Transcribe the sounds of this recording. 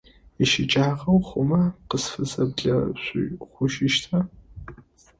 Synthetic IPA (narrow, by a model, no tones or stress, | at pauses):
ɛʃɪt͡ʃʼaːʁɐwχʷʊmɐqəsfɨzɐbɮɐɕʷʼʊ̰ːχʷʊʃɪʃtʰɐ